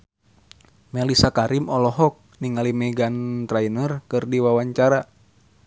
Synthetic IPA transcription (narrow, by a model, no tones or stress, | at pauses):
mɛlisakaɾimɔlɔɦɔk̚niŋalimɛɡant̪ɾainərkɨrdiwawaɲt͡ʃaɾa